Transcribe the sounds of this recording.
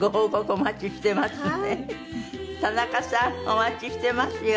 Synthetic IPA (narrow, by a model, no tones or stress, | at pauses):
ɡoɦoɡokɯomat͡ɕiɕi̥t̪e̞masɨne | t̪anakasãomat͡ɕiɕi̥t̪e̞masɨj